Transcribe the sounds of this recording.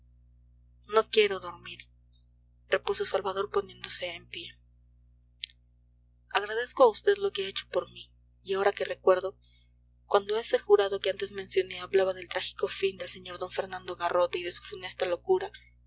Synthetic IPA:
no̞kje̞ɾo̞ðo̞ɾmiɾ | re̞puso̞salβað̞o̞ɾpo̞nje̞nd̪o̞se̞ːmpje̞ | aɣɾaðe̞skoaust̪e̞ðlo̞keaet͡ʃo̥po̞ɾmi | iao̞ɾake̞re̞kwe̞ɾðo | kwand̪o̞esexuɾaðo̞keant̪e̞zmẽ̞nsjo̞ne̞aβlaβaðelt̪ɾaxi̥ko̞find̪e̞lse̞ɲo̞ɾðo̞ɱfe̞ɾnãnd̪o̞ɣaro̞t̪e̞iðe̞su̥fune̞st̪alo̞kuɾa

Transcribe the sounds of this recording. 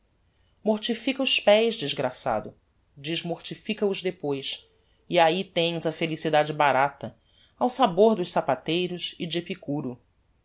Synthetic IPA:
moɾt͡ʃifikɐʊʃpɛjzd͡ʒizɡɾasa̰d̪ʊ | d͡ʒiʒmoχt͡ʃifikɐʊzd̪epojʃ | iait̪ẽj̃zɐfelisid̪ad͡ʒɪbaɾat̪ɐ | awsaboɾd̪ʊʃsapat̪ejɾʊsɪd͡ʒɪepikuɾʊ

